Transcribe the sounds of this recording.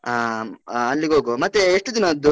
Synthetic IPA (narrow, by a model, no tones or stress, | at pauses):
a | ɐlːiɡoːɡomɐt̪ːeeʂʈud̪inɐd̪u